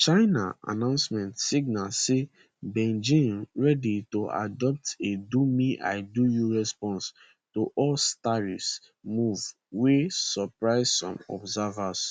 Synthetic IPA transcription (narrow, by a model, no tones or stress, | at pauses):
t͡ʃaɪna̰a̰nãʊ̃nsmɛ̃ntsiɡ̚nalse | bɛ̃nd͡ʒĩnɹɛditoa̰dɔp̚tedumiʔa̰ɪdujuɹɛspɔ̃ns | toʔɔlstaɹis | muv | wesɔpɹaɪzsɔ̰̃mɔ̰bzavas